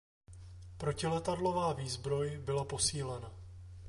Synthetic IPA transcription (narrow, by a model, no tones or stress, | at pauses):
pɾo̞cɪlɛt̪adlo̞vaːviːzbɾo̞jbɪlapo̞siːlɛna